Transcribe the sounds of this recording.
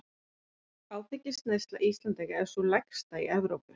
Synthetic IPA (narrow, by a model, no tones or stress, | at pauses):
aːwt̪ɛcːɪst̪nejst̪laʔist̪lant̪ɛɣɛ̥sɔlɛkst̪aiʔɛvɾowpʏ